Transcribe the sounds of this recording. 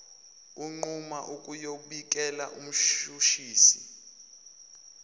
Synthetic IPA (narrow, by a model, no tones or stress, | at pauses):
uŋ͡ǃumaʔukʼujoɓik̬ʼɛlaʔum̩ʃuʃiːsi